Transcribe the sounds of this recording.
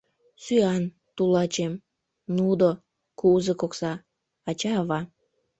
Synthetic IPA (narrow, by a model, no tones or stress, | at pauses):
syɑn | t̪ulɑt͡ɕem | nud̪o | kuzekoksɑː | t͡ɕɑːβɑ